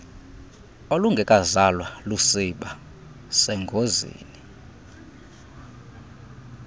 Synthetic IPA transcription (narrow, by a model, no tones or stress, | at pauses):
oluŋɡʱɛkʼazalwalusiɓa | sɛŋɡʱozḭːni